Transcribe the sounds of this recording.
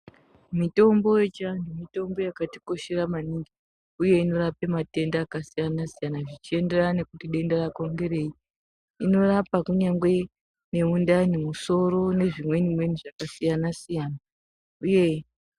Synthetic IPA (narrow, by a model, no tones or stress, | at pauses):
mito̞mbo̞je̞t͡ʃiandumito̞mbo̞jakati̥ko̞ʃe̞ɾamaniŋɡi | uje̞ino̞ɾapemate̞ndaːkasijanasijanaʐit͡ʃie̞nde̞rane̞kutiɗe̞ndarako̞ŋɡe̞re̞i | ino̞rapakuɲaŋɡwe̞ | ne̞undanimuso̞ɾo̞ne̞ʐimwe̞nimwe̞niʐakasijanasijaːna | uje̞